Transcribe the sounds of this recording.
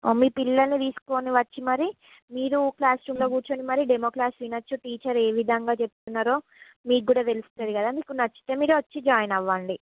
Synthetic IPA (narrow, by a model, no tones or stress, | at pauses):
oːmiːpilːɐlnit̪iːsu̥koːniʋɐt͡ʃːimɐɾi | miːɾuklaːsɾuːmloːkuːɾt͡ʃoːɳɖimɐɾiɖemokɾaːsʋinɐt͡ʃːuʈiːt͡ʃɐɾeːʋid̪ʱɐŋɡaːt͡ʃe̞put̪unːaːɾoː | miːk̚ɡuːɽaːt̪elust̪ɐd̪ikɐd̪aːmiːkunɐt͡ʃːi̥t̪eːmiːɾuʋɐt͡ʃːid͡ʒaːjnɐʋːɐɳɖi